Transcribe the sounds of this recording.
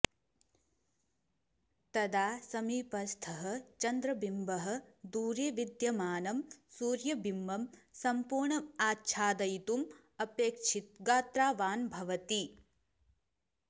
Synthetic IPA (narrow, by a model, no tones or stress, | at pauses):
t̪ɐd̪aːsɐmiːpɐst̪ʰɐɦɐt͡ʃɐnd̪ɾɐbimbɐɦɐ̆d̪uːɾjeʋid̪jɐmaːnɐmsuːɾjɐbʱimbɐmsɐmpuːɾɳɐaːtːʃʰaːd̪ɐjit̪um | ɐpeːkʂit̪̚ɡaːt̪ɾaːʋaːnbʱɐʋɐt̪i